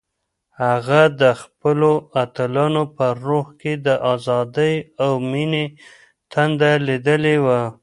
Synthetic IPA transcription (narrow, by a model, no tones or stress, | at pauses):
haɣad̪əxpəloat̪əlɑnopəɾohked̪əʔɑzɑd̪əjawmine | t̪and̪alid̪əlewa